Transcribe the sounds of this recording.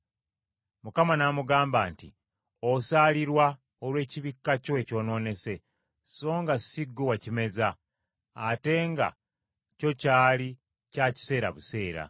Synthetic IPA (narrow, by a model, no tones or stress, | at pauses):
mukamanamuɡaːmbaːnti | osaːliɾwa | olwe̞ːciβikːaco̞e̞co̞ːno̞ːne̞se̞ | so̞ːŋɡasiɡːowacime̞zaː | te̞ŋɡa̰ | co̞caːli | caci̥se̞ːɾa̰βuse̞ːɾa̰